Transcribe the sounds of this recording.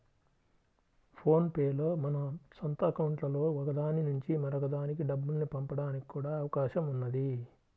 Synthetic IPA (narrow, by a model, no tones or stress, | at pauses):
pʰo̞ːnpeːlo̞ːmɐnɐsɔnt̪ɐɐkɐwuɳʈlɐlo̞ːʋɐɡɐd̪aːninuɲt͡ʃimɐɾɐɡɐd̪aːnikiɖɐbːulnipɐmpɐɽaːniki̥kuːɽaːɐʋɐkaːʃɐmunːɐd̪i